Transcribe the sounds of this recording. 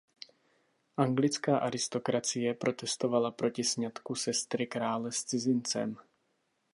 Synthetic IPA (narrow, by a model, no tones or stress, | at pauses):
ʔaŋɡlɪt͡skaːʔaɾɪst̪o̞kɾat͡sɪjɛpɾo̞t̪ɛst̪o̞valapɾo̞cɪsɲat̪kusɛst̪ɾɪkɾaːlɛst͡sɪzɪnt͡sɛ̰m